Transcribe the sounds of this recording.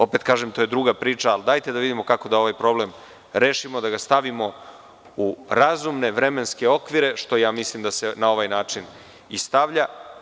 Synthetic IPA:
o̞pe̞t̪kaːʒemt̪o̞jed̪ɾuɡapɾiːt͡ʃaːld̪aːjt̪e̞d̪aʋid̪imo̞kako̞d̪ao̞ʋajpɾo̞ble̞m | ɾeːʃimod̪aɡast̪aʋimo̞ | uɾazumne̞ʋɾe̞me̞nskeo̞kʋiɾe̞ʃt̪o̞jaːmislimd̪ase̞nao̞ʋajnaːt͡ʃin | ist̪aʋʎa

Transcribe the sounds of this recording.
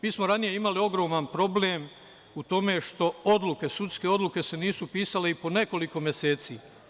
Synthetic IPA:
miːsmo̞ɾanije̞imalio̞ɡɾo̞ːmanpɾo̞bleːm | ut̪o̞me̞ʃt̪o̞o̞d̪luke̞sut̪ske̞o̞d̪luke̞se̞niːsupiːsale̞ipo̞ne̞ko̞liko̞mjese̞ːt̪siː

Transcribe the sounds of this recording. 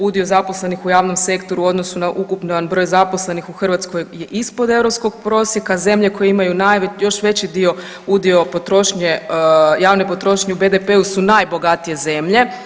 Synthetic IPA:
ud̪io̞zaposle̞nixujaːʋno̞mse̞kt̪o̞ɾuo̞d̪no̞sunaʔukupnoʋanbɾo̞jzapo̞sle̞nixuxrʋat̪sko̞jjeʔispo̞d̪e̞ʋɾopsko̞ɡ̚pɾo̞ːsje̞kaze̞mʎe̞ko̞jeimajunajʋjo̞ʃʋe̞t͡ɕid̪io̞ | ud̪io̞pot̪ɾo̞ʃɲejaːʋnepo̞t̪ɾo̞ʃɲeube̞d̪epe̞usunajbo̞ɡat̪ije̞ze̞mʎe̞

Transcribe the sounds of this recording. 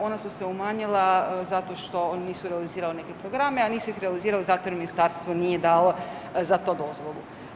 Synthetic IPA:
o̞nasuse̞umaːɲilˠazat̪o̞ʃt̪o̞onniːsuɾealiziːɾalene̞ke̞pɾoɡɾameaniːsuixɾealiziːɾalezat̪ojɾminist̪aːɾst̪ʋo̞niːje̞d̪aːlo̞ | zat̪o̞d̪o̞zʋo̞lˠu

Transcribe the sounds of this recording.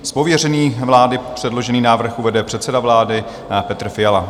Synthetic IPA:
spovjɛr̝ɛniːvlaːdɪpr̥ɛdlo̞ʒɛniːnaːvr̩xuvɛdɛpr̥ɛt̪sɛdavlaːdɪ | pɛt̪r̩fɪjala

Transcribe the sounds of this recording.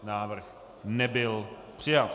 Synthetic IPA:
navɛrx | nɛbɪlˠ | pʰria

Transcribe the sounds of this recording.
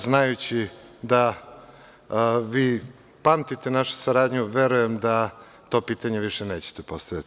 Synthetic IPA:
znajut͡ɕid̪a | ʋiː | pamt̪it̪enaʃu̥saɾaːd̪ɲuʋe̞ɾuje̞md̪a | t̪o̞ːpiːt̪aɲe̞ʋiʃeneːt͡ɕe̥t̪epo̞st̪ajat̪i

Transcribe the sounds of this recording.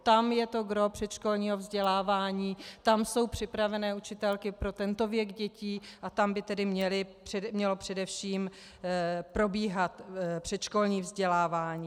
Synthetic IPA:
t̪amjɛt̪o̞ɡɾo̞pr̥ɛt̪ʃko̞lɲiːɦovzɟɛlaːvaːɲiːt̪amso̞wpr̝̥ɪpɾavɛnɛːut͡ʃɪt̪ɛlkɪpɾo̞t̪ɛnt̪o̞vjɛɡɟɛciːʔat̪ambɪt̪ɛdɪmɲɛlɪpr̥ɛmɲɛlo̞pr̝̥ɛdɛfʃiːm | pɾo̞biːɦat̪pr̥ɛt̪ʃko̞lɲiːvzɟɛlaːvaːɲiː

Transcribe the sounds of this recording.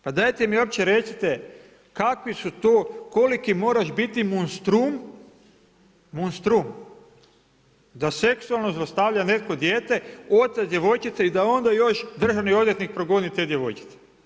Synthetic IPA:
pad̪ajt̪emiop̚t͡ʃeɾe̞sit̪e | kakʋisut̪oːkolikimo̞ːɾaʃbit̪imunst̪ɾum | unst̪ɾum | d̪aseksualˠnozlast̪aʋʎane̞t̪̚ko̞d̪jeːt̪eo̞t̪t̪ːad̪je̞ʋo̞jt͡ʃit̪said̪ao̞nd̪ajo̞ʃd̪r̩ʒaʋnio̞d̪jet̪nik̚pɾoɡonit̪ed̪jeʋo̞jt͡ʃi̥t̪se̥

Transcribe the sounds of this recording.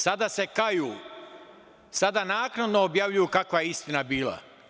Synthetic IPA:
sad̪ase̞kajuː | sad̪anaːknod̪noobjaʋʎujukakʋajeist̪inabiːlˠa̰

